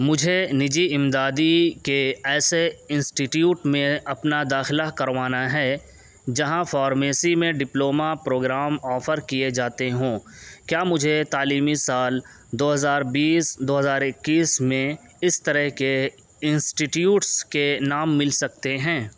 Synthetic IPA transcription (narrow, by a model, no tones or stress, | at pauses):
mʊd͡ʒʱenɪd͡ʒiɪmd̪aːd̪ikeɛːseɪ̃nsʈiʈjuːʈmẽɐpnad̪aːxɪlakɐɾʋaːnaɦɛː | d͡ʒɐɦãfɔːɾmeːsimẽɖɪploːmapɾoːɡɾaːmɔːfəɾkied͡ʒaːt̪eɦõː | kjaːmʊd͡ʒʱet̪aːliːmisaːl | d̪oːɦɐzaːɾbiːsd̪oːɦɐzaːɾɪkːiːsmẽ | ɪst̪ɐɾəɦke | ɪ̃nsʈiʈjuːʈskenaːmːɪlsɐkt̪eɦɛ̃ː